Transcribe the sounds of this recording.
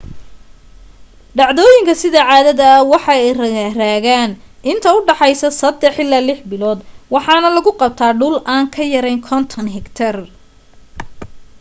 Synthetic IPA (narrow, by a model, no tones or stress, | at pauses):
ɖɑʕðɔːjɪŋkʰɐsɪðɐʕɑːðɐðɐːwɑħɑɛjrɐraːɣaːnʔɪnt̪ʰɐʊɖɑħɑjsɐsɐd̪ɛħɪlaːlɪħbɪlɔːd̪wɑħɑːnɐlɐɣʊqɑb̚t̪ʰaːɖʊlʔaːŋkʰɐjɐɾɛjnkʰɔnt̪ʰɐnɦɛkt̪ʰɐr